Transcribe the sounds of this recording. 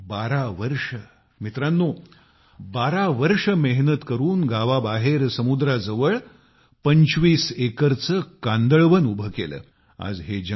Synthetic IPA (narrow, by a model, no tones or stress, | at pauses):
baɾaʋəɾʂə | mit̪ɾanːuː | baɾaʋəɾʂəmeɦnət̪kəɾuːnɡaʋabaɦeɾsəmud̪ɾad͡zəʋəɭ | pəɲt͡ɕʋiːsekəɾt͡səkãnd̪əɭʋənubʱəkelə̰ː | a̰d͡zɦed͡ʑə